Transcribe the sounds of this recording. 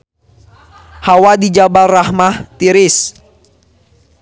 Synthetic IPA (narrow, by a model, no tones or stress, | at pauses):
hawadid͡ʒabalrahmaht̪iɾɪs